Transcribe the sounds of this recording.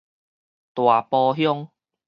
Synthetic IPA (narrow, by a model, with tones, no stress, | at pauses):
t̪wa˨˩pɔ˧ɦjɔ˦ŋ